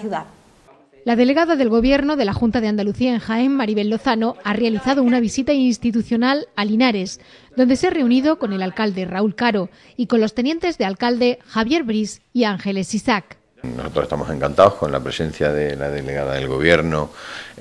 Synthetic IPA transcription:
juða | laðe̞le̞ɣaðaðe̞lɣo̞βje̞ɾno̞ðe̞laxunt̪aðeand̪aluθiaeŋxaemːaɾiβelːo̞θano̞are̞aliθaðo̞unaβ̞isit̪ainst̪it̪uθjo̞nalalinaɾe̞z | d̪o̞nd̪e̞sare̞uniðo̞ko̞ne̞lalkald̪e̞raulkaɾo̞ | iko̞nlo̞st̪e̞nje̞nt̪e̞zðealkald̪e̞xaβje̞ɾβɾisiaŋxe̞le̞sisak | nosot̪ɾosest̪amose̞ŋkant̪aohkonla̰pɾesẽ̞nθjaðelaðe̞le̞ɣaðaðe̞lɣo̞βjeɾno

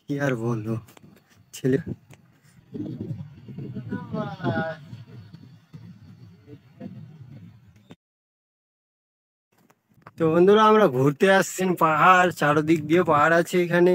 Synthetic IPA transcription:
kiaɾbond̪ʱu | t͡ɕʰele | t̪obond̪ʱuɾaamɾaɡʱuɾt̪eaʃt͡ɕʰinpaɦaɾt͡ɕaɽod̪ik̚b̪iepaɦaɽat͡ɕʰeekʰane

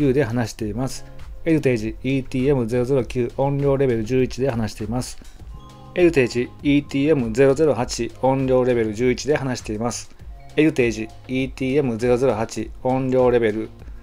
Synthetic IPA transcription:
ɨːd̪e̞ɦanaɕi̥t̪e̞imasɨ̥e̞ɾɯ̟t̪e̞ːʑiiːt̪ʲiːe̞mɯ̟ze̞ɾo̞ze̞ɾo̞kʲɨːʔõ̞ɲɾʲo̞ːɾe̞be̞ɾɯ̟ʑɨːit͡ɕid̪e̞ɦanaɕi̥t̪e̞imasɨ̥ | e̞ɾɯ̟t̪e̞ːʑiiːt̪ʲiːe̞mɯ̟ze̞ɾo̞ze̞ɾo̞hat͡ɕiõ̞ɲɾʲo̞ːɾe̞be̞ɾɯ̟ʑɨːit͡ɕid̪e̞hanaɕi̥t̪e̞imasɨ̥ | e̞ɾɯ̟t̪e̞ːʑi | iːt̪ʲiːe̞mɯ̟ze̞ɾo̞ze̞ɾo̞hat͡ɕiõ̞nɾʲo̞ːɾe̞be̞ɾɯ̟

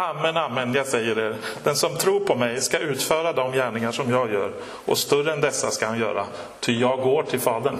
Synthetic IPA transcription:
amːɛnamːɛnjɑːɡsɛjːəɾeːɾd̪̥ɛnsɔmt̪ʰɾuːɾpʰɔmɛjskaʉ̟ːt̪fœːɾad̪ɔmjæːɳɪŋaʂɔmjɑːɡjœ̰ːɾ | ʔɔ̰st̪ɵɾəɛnd̪ɛsːaskahanjœ̰ːɾa | t̪ʰʏjɑːɡoːʈʰɪlfɑːd̪ən

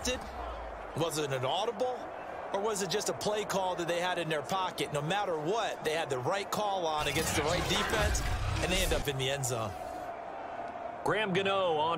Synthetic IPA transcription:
tɨd̚ | wʌzɨɾɨ̃nɔɾəbl̩ˠ | ə˞wʌzɨt̚d̥ʒ̥ʌstəpʰl̥eɪkʰɔlˠðɨt̪̚ðeɪɨɾɨ̃nðə˞pʰɑkɨtⁿnoʊmæɾə˞wʌt̪̚ðeɪɨd̪̚ðɨɹaɪt̚kʰɔl̃ˠnɨɡɛ̃nst̪̚ðɨɹaɪt̚d̥ifɛ̃nsɨ̃nðeɪɛ̃ndʌpɨ̃nðiɛ̃ndzʌ̃ʊ̃n | ɡ̥ɹæ̃mɡɨnoʊə

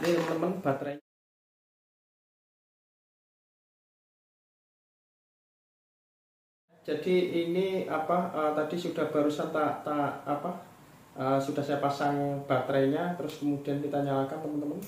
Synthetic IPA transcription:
nəmənt̪əmənb̥a̤t̪ɾa | d͡ʒ̥ad̥iiniapaət̪ad̥isud̥ahb̥a̤ɾusant̪at̪aːpaʔəsud̥a̤hsajapasaŋb̥a̤t̪ɾaɲat̪əɾʊskəmud̥i̤ankit̪aɲalakant̪əmənt̪əmən

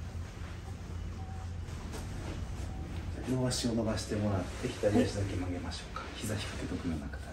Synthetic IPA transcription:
oβaɕio̞no̞baɕi̥t̪e̞moɾatd̪eçʲi̥t̪aɾʲiaɕizakemaɡe̞maɕo̞ːkḁçizaçʲi̥kḁke̞t̪o̞kɯ̟nonakḁt̪a

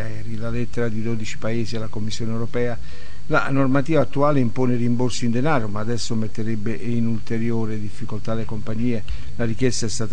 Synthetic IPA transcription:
ɛːɾilalɛt̪ːeɾad̪id̪oːd̪it͡ʃi̥paeːzialakomːisːjoːnewɾopɛːa | la̰normat̪iːvat̪ːuaːleimpoːnerimborsoind̪enaːɾomaːd̪ɛsːomet̪ːeɾɛbːeʔinult̪eɾjoːɾed̪ifːikolt̪alekompaɲːiːe | larik̟jɛst̪aɛst̪aːt̪

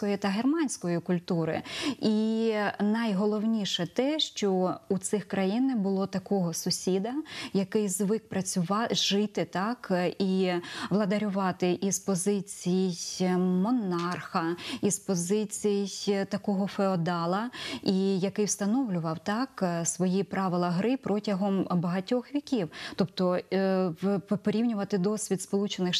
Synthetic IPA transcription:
kɔjit̪ɐɦermɑnʲsʲkɔjikʊlʲt̪uɾɪ̰inɐjɦɔlˠɔwnʲiʃɛt̪ɛʃt͡ʃɔut̪sɪxkɾɐjinɛbʊlˠɔt̪ɐkɔɦɔsʊsʲid̪ɐjɐkɪjzʋɪk̚pɾɐt͡sʲʊʋɑʒɪt̪ɪt̪ɑkʔiʋlˠɐd̪ɐɾʲʊʋɑt̪ɪʔispɔzɪt͡sʲijɪjmɔnɑrxɐispɔzɪt͡sʲijɪjt̪ɐkɔɦɔfeɔd̪ɑlˠɐijɐkɪjwst̪ɐnɔwlʲʊʋɐwt̪ɑksʋɔjipɾɑʋɪlˠɐɦɾɪpɾɔtʲɐɦɔmbɐɦɐtʲɔxʋʲikʲiwt̪ɔpt̪ɔ | pɔɾʲiwnʲʊʋɐt̪ɪd̪ɔsʲʋʲid̪spɔlˠut͡ʃenɪx

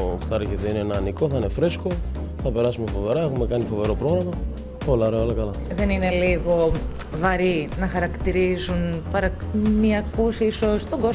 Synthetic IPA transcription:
ft̪ɐɾçet̪eineenɐːniko̞θɐinefɾe̞sko̞ | θɐpe̞ɾɐsumefo̞ve̞ɾɐexume̞kɐnifo̞ve̞ɾo̞pɾo̞ɣɾɐmɐ | olɐoɾeoolɐkɐlɐ | ðe̞nine̞liɣo̞ | vɐɾinɐxɐɾɐkt̪iɾizunpɐɾɐmɐkusiisost̪oɡo

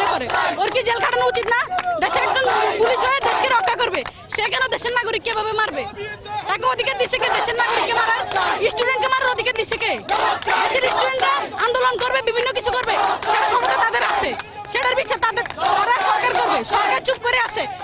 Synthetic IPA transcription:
ekoɾeoɾkid͡ʑelkʰaʈanout͡ɕit̪nad̪eʃeɾɛk̚ʈonpuliʃɦoed̪eʃkeɾɔkːakoɾbe | ʃekɛnod̪eʃeɾnaɡoɾikːebʱabemaɾbet̪akeod̪ʱiked̪iʃʰeked̪eʃeɾnaɡoɾikːemaɾaɾisʈuɖeɳʈ̚kemaɾaɾod̪ʱiked̪iʃeked̪eʃeɾisʈuɾeɳʈɾaand̪olonkoɾbebibʱinːokit͡ɕʰukoɾbeʃeʈakʰɔbot̪at̪ad̪eɾasʰe | ʃeʈaɾbit̪ːʃʰat̪ad̪eɾt̪aɾaʃɔɾkaɾkoɾbeʃɔɾkaɾt͡ɕup̚koɾeaʃʰe

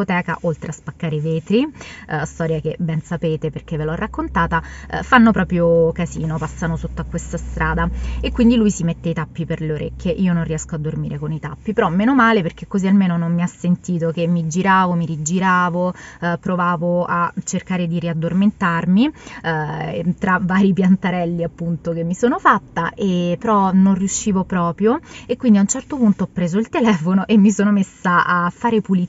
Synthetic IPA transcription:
ot̪ɛːka̰ʔolt̪ɾʔeaspakːaːɾeveːt̪ɾist̪ɔːɾjak̟ebɛnsapeːt̪eperk̟evːelɔrːakːont̪aːt̪a̰fanːopɾɔːpɾjokaziːnopasːanosot̪ːoakːwest̪ast̪ɾʔaːd̪aekːwind̪ilujsimet̪ːeit̪apːiperleoɾʔḛk̟ːjeʔiːononriɛskoad̪ːormiːɾʔekonit̪a̰pːipeɾɔmːeːnomaːleperk̟ekːozialmeːnonomːiasːent̪iːt̪ok̟emːid͡ʒiɾaːvomiɾid͡ʒiɾaːvopːɾovaːvoat͡ʃːerkaːɾed̪iɾiad̪ːorment̪armi | t̪ɾavaːɾipjant̪aɾɛlːiapːunt̪ok̟emːisoːnofat̪ːaʔepːeɾɔnonriuʃːiːvopɾɔːpɾjoekwind̪iaunt͡ʃɛrt̪opunt̪oɔpːɾeːzoilt̪elɛːfonoʔemːisoːnomesːaʔafːaːɾepuli

